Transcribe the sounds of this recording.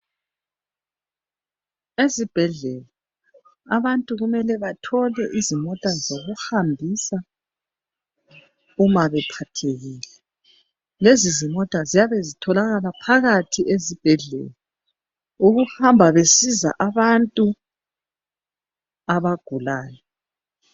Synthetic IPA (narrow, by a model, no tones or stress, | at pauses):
ezib̥ʱɛɮɛla | aβantʼuɣumɛlɛβatʰɔlɛʔizimɔtʼazoɣuhambʱisa | umaβɛpʰatʰeɣiːlɛ | lezizimɔtʼazijaβezitʰɔlaɣalapʰaɣatʰiʔezib̥ʱɛɮɛ̰la | uɣuhambʱaβesiza̰ʔaβantʼu | aβaɡ̥ʱulaːjɔ